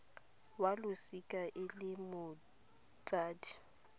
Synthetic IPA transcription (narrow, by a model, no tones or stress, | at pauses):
walʊsikʼaʔɪlɪmʊ | t͡sʼaːdi